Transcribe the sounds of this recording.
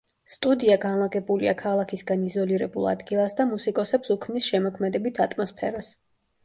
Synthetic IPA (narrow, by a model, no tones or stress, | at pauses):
st̪ʼud̪iaɡanlˠaɡɛbuliakʰalˠakʰisɡanizɔliɾɛbulˠa̰d̪ɡilˠasd̪amusikʼɔsɛpsukʰmnisʃɛmɔkʰmɛd̪ɛbit̪ʰat̪ʼmɔspʰɛɾas